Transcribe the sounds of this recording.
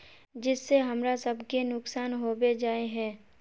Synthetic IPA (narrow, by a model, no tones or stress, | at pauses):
d͡ʒɪsːeɦɐmɾasɐbkenʊksaːnɦoːbed͡ʒaːeɦɛ̃ː